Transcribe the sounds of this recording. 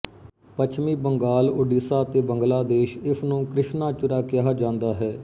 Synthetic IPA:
pət͡ʃʰmiːbəŋɡaːlʊːɖiːsaːt̪eːbəŋɡlaːd̪eːʃɪsʰnũːkɾɪʃnaːt͡ʃʊɾaːkɪaɦːad͡ʒãːnd̪aːɦɛː

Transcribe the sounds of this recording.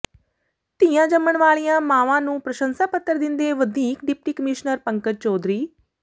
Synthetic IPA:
t̪ijãːd͡ʒəməɳʋaːɭijãːmãːʋãːnũːpɾəʃə̃nsaːpət̪ːəɾd̪ɪnd̪eːʋəd̪ʱiːkɖɪp̚ʈiːkəmɪʃnəɾpəŋkət̚t͡ʃɔːd̪ɾiː

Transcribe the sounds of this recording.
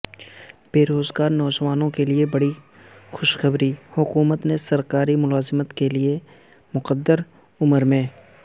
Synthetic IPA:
b̥eːɾoːzɡaːɾnɔːd͡ʒʋaːnõkeliebɐɽi | xʊʃxəbɾihʊkuːmət̪nesɐɾkaːɾimʊlaːzɪmət̪kelie | mʊqəd̪ːəɾ | ʊməɾmẽː

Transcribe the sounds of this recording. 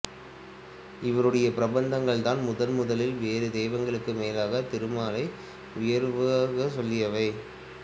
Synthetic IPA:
ɪʋɐɾɯɽɐjɐpɪɾɐbɐnd̪ɐŋɡɐɭt̪aːnmʊðɐnmʊðɐlɪlʋeːɾɯd̪eːʋɐŋɡɐɭɯkːɯmeːlaːɣɐt̪ɪɾɯmaːlɐɪ | ʊjɐɾʋɯɣɐsɔlːɪjɐʋɐɪ

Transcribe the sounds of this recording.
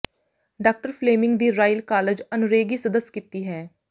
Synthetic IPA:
ɖaːk̚ʈəɾpʰleːmɪ̃ŋɡd̪iːɾaːɪlkaːləd͡ʒənʊɾeːɡiːsəd̪əsːkiːt̪iːɦɛː

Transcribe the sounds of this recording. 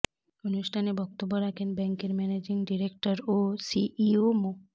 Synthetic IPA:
onuʃʈʰanebɔk̚t̪obːoɾakʰenbɛŋkeɾmɛned͡ʑiŋɖiɾek̚ʈaɾosiʔiomo

